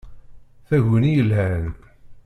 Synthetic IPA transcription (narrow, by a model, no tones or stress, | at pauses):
θæʝənijəlɦænk